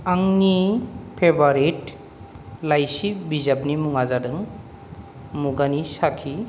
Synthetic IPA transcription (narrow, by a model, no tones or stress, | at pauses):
aŋnipʰebaɾit | lajsibizap̚nimuŋazadɯŋ | muɡanisakʰi